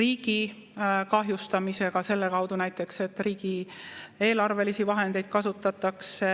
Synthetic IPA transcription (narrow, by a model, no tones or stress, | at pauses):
riːɡ̥ikɑɦjust̪ɑmise̞ɡ̥ɑse̞lːe̞kɑwd̪̥unæjt̪ːˑe̞kse̞t̪ːˑriːɡ̥ie̞ːlɑrve̞lisivɑɦe̞nd̪̥e̞jd̪̥kɑsut̪ːˑɑt̪ːˑɑkse